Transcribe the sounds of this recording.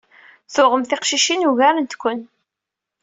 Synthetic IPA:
θʊʁəmθɪqʃiʃinuɣæɾənt̪kʷːən

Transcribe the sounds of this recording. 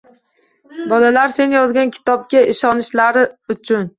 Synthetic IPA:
bɒlalaɾse̞nɪjɒzɡʲankʲʰɪ̥t̪ɒp̚ɡʲaɪʃɒnɪʃlaɾɪʊt͡ʃʰʊn

